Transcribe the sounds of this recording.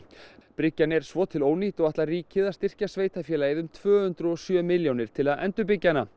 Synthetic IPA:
pɾɪcːanɛɾ̥svɔːt̪ʰɪloːwniːt̪ɔaht̪lariːcɪðast̪ɪr̥casveːjt̪afjɛːlaːjɪðʏmt̪ʰv̥œːhʏnt̪ɾʏɔsjœːmɪljownɪɾ̥t̪ʰɪlaðɛnt̪ʏp̬ɪcːanːa

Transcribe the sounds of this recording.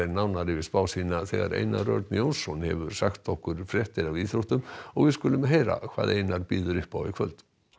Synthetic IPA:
ɾnawnaɾɪvɪspaːwsiːnaθɛɣa̰ɾḛjnarœ̰ɾt̪njownsɔnhɛ̰vʏɾ̥saxt̪ɔhkʏɾ̥fɾjɛht̪ɪɾaviːθɾowht̪ʏmɔɣvɪðskʏlʏmɦejɾa̰kʰv̥a̰ːðejnaɾpiːðʏɾʏhpawvɪkʰvœlt̪

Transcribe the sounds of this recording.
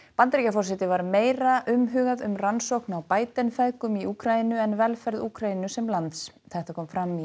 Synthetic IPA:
pant̪ɾicafɔrs̬ɛt̪ɪvaɾmeːjɾaʔʏmɦʏːɣaðʏmransowknawpaːjt̪ɛnfɛðkʏmiuːkʰɾainʏɛnvɛlfɛɾðuːkʰɾainʏsɛmlant̪s | θɛht̪akʰɔːmfɾamːi

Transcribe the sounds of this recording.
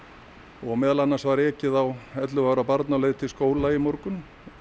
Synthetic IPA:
ɔɣmɛːðalanːasvaɾɛːcɪðawɛt̪lʏvaɾapaɾt̪nalejðt̪ʰɪlskoːwlaimoɾkʏn

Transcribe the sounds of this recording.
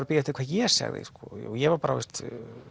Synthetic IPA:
ɾpɪjat̪ɪkʰvaːðjɛ̥sa̰ɣðɪ̰skɔo̰jɛvaɾpaɾavɛ̰st̪

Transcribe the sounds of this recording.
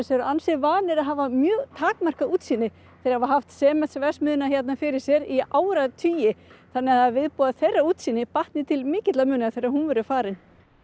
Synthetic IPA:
sɛɾʏansɪvaːnɪɾaðɦaːvamjœːɣt̪ʰaːkmar̥kauːt̪siːnɪ | θɛɾavaɦaft̪sɛːmɛt̪svɛsmʏːðʏnaçɛt̪nafɪɾɪɾ̥sjɛɾiaːwɾat̪ʰyːjɪθanːɪaðavɪðpuːðaθejrːauːt̪siːnɪpaht̪nɪt̪ʰɪlmɪːcɪt̪lamʏːnɪaθejɾahunvɛɾʏfaːɾɪn

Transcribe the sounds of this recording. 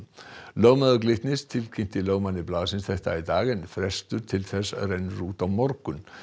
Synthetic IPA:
lœːwmaðʏklɪht̪nɪst̪ʰɪlcʰin̥t̪ɪlœːwmaniplaːðʏsɪnsθɛht̪aid̪aːɣɪnfɾɛst̪ʏɾ̥t̪ʰɪlθɛsarejnɾuːt̪awmɔɾkʏn

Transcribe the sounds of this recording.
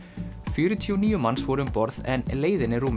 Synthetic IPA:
fjʏːɾʏt̪ʰiɔniːjʏmansvɔɾʏʏmpɔɾðɛ̰nleːjðɪnɪɾuːm

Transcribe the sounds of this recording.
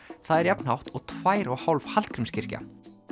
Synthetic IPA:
θaðɛɾjapn̥hawht̪ɔɣt̪ʰv̥aːjɾɔɣhawlvhalt̪̚kʰɾɪmscɪr̥ca̰

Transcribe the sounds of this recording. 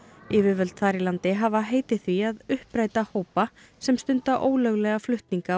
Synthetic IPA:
ɪvɪɾvœlt̪θaːɾilant̪ɪɦavaɦeːjt̪ɪ̥θviaðʏhpɾaːjt̪ahoːwpa | sɛmst̪ʏnt̪aʔoːwlœɣlɛɣaflʏht̪niŋka

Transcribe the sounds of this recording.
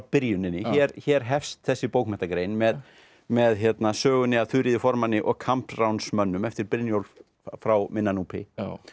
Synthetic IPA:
pɪɾjʏnɪnːɪçɛːɾçɛːɾ̥ɦɛfst̪θɛsːɪpoːwkmɛht̪akɾejnmɛð | mɛðçjɛt̪nasœːɣʏnɪaðθʏɾiðɪfɔɾmanːɪʔɔɣkʰampɾawnsmœnːʏmɛft̪ɪɾpɪɾnjowl | fɾawmɪnːanuːpʰɪ̰

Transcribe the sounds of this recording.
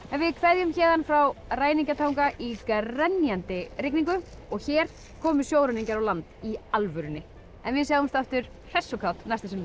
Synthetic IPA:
ɛnvɪðkʰvɛðjʏmçɛːðanfɾawraːjniŋcat̪ʰawŋkaʔikrɛnːjant̪ɪɾɪkniŋkʏ | ɔɣçɛɾ̥ | kʰɔːmʏsjoːwɾʏniɲcaɾawlant̪ialvʏɾʏnːɪ | ɛnvɪðsaːɣʏmst̪aft̪ʏɾ̥ | hɛsːokʰawt̪nast̪asɪmː

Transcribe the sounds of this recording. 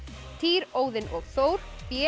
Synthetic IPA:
t̪ʰiːɾoːwðɪnʔɔɣθoːwɾ̥pjɛ

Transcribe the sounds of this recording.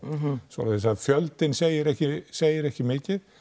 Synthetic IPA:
svɔ̰laðsaðfjœlt̪ɪnseːjɪɾɛhcɪseːjɪɾɛhcɪmɪːcɪð

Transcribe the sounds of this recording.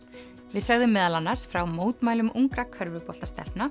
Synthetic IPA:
vɪðsœɣðʏmːɛːðalanːaɾ̥sfɾawmoːwt̪maːjlʏmʔuŋkɾakʰœɾvʏpɔl̥t̪ast̪ɛ̰l̥pna

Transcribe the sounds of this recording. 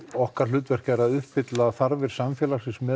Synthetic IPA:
ɔhkaɾ̥l̥ʏːt̪vɛr̥caɛɾaðʏhpfɪt̪laθaɾvɪɾ̥samfjɛːlasɪnsmɛː

